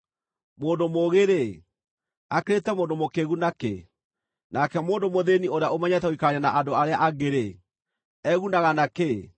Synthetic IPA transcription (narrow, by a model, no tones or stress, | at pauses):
moːndomoɣeɾe | akeɾetɛmoːndomokeɣunakḛ | nakɛmoːndomoðenioɾeaomɛɲɛtɛoikaɲanaʔandoaɾeaʔaɣeɾe | ɛɣunaɣanake